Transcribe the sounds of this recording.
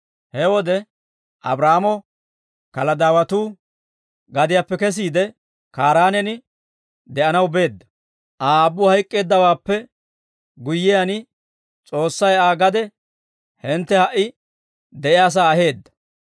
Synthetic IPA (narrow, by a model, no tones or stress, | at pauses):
hɛwɔd̪ɛ | ʔɐ̰bɾaːmɔ | kɐlɐd̪aːwɐt̪uː | ɡɐd̪ɪjaːpːɛkɛs̬iːd̪ɛ | kaːɾaːnɛnɪ | d̪ɛʔɐnɐwbe̞ːd̪ːɐ̥ | ʔaːbːʊhɐjkʼːe̞ːd̪ːɐwaːpːɛ | ɡʊjːɪjan | t͡sʼo̞ːsːɐjaːɡɐd̪ɛ | hɛnt̪ːɛhɐʔɪ | d̪ɛʔɪjaːs̬aːɐɦe̞ːd̪ːɐ̥